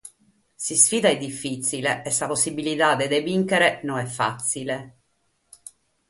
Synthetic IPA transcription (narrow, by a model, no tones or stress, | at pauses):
sisfiːd̪aɛd̪ːifːit̪sileʔːsːaposːibilit̪ad̪ed̪eviŋkeɾenonɛfːa̰t̪sːile